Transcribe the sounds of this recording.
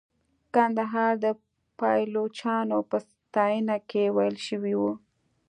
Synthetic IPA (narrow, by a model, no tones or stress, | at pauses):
kand̪aɦɑɾd̪ə | pɑjlot͡ʃɑnopəs | t̪ɑjənakewajəlʃəwiwu